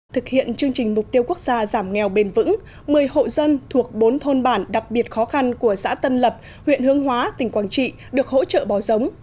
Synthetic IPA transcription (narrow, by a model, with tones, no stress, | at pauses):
t̪ʰɨ˨˩k̚hḭ˧˨ənt͡ɕɨ˧əŋt͡ɕï˨˩ŋ̟m˨˩k͡p̚t̪i˧əwku˦˥ək̚z̥aː˧zaː˧˩mŋɛ˨˩wɓe˧˩nvɨ̰˧˥ŋ | mɨ˨˩əjho̰˧˨zə˧nt̪ʰu˨˩ək̚ɓo˨˦nt̪ʰo˧nɓaː˧˩nɗa˨˩k̚ɓi˨˩ət̚xɔ˨˦xa˧nku˧˩əsa̰ː˧˥t̪ə˧nlə˨˩p̚ | hwḭ˧˨ənhɨ˨˦əŋɦwaː˨˦t̪ï˨˩ŋ̟kwaː˧˩nt͡ɕḭ˧˨ | ɗɨ˨˩ək̚ho̰˧˥t͡ɕə̰ː˧˨ɓɔ˨˩zə˨˦wŋ͡m